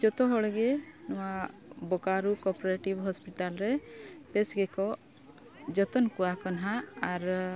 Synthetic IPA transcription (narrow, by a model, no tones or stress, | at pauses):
d͡ʒɔt̪ɔɦɔɭɛɡɛnɔwabɔkaɾukɔɾpɔɾeʈibɦɔspiʈalɾɛpɛsɡɛkɔ | d͡ʒɔt̪ɔnkuwakɔnɦaːɾ